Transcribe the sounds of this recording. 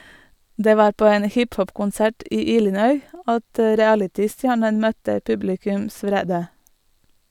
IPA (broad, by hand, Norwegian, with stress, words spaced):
ˈdeː ˈʋɑːɾ ˈpoː ˈeːn ˈhɪpˌhɔpkʊnˌsæʈ ˈʔiː ˈiːlɪnœʏ ˈɑt ə ɹɪˈælɪtɪˌstjæːɳən ˈmœtə ˈpʉblɪkʉms ˈʋɾeːdə